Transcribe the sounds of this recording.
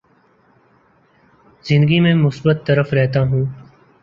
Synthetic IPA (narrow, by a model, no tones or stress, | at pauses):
zɪ̃nd̪əɡiːmẽmʊsbət̪ːəɾəfɾɛɦt̪aːɦũː